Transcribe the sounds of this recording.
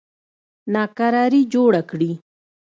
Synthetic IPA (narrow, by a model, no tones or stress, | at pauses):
nakaɾaɾid͡ʒoːɽakɽi